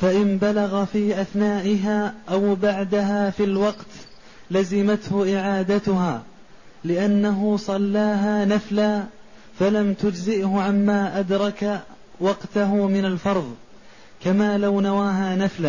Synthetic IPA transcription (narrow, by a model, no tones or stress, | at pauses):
faʔɪmbalaɣafiːʔaθnaːʔɪɦaːʔawbaʕd̪aɦaːfilwɑqt̪ | lazɪmat̪hʊʔɪʕaːd̪at̪ʊɦaː | lɪʔanːaɦʊsˤɑlːaːɦaːnaflaː | falamt̪ʊd͡ʒzɪʔhʊʕamːaːʔad̪ɾˤɑka | wɑqt̪aɦʊmɪnalfɑɾˤðˤ | kamaːlawnawaːɦaːnaflaː